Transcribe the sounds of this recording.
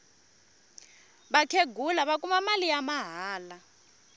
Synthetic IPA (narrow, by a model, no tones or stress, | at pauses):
ɓakʰeɡʱulaɓak̬ʼumamalijamaɦaːla